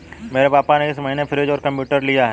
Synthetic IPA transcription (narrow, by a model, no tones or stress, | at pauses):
meːɾepaːpaneɪsmɐɦinefʰɪɾed͡ʒɔːɾkɐ̃mpjuːʈəɾlijaɦɛ